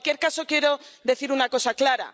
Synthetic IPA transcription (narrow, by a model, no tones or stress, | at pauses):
kje̞ɾkaso̞kje̞ɾo̞ðe̞θiɾunako̞saklaɾa̰